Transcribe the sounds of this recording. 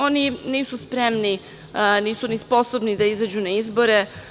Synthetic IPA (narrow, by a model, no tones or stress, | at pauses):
oniniːsuspɾemni | niːsunispo̞sobnid̪aizad͡ʑunaizbo̞ɾe